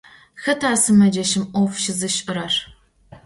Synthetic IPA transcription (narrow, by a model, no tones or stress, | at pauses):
xɐtʰaːsɨmɐd͡ʒɐʃɪmʔʷɔfʃɪzɨʃʼɨɾɐr